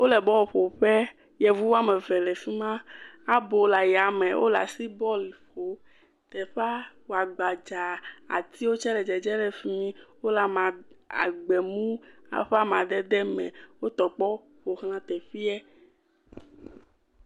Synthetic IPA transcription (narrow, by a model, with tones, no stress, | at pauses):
wo˦lɛ˨bɔ˦wɸo˨ɸɛ˦ | jɛ˨vu˦wo˦a˦mɛ̃˨vɛ˨lɛ˨fi˦mã˦a˦bo˨la˨ja˨mɛ̃˨wʔo̰˦la̰˨si˦bɔ˦li˨ɸo˨ | t̪ɛ˨ɸa˦wo˨a˨ɡ͡ba˨d͡ʒa˨a̰˨t̪ʰi˦wo˦t͡ʃɛ˦ɖɛ˨d͡ʒɛ˨d͡ʒɛ˦ɖɛ˨fi˦ĩ˦wo˦la˨mã˨a̰˨ɡ͡bɛ˨mũ˦a̰˨ɸa˦mã˨d̪ɛ˦d̪ɛ˦mɛ̰̃˨wo˦t̪ɔ˨k͡pɔ˦ | ɸo˨xlã˦t̪ɛ˨ɸi˦ɛ˦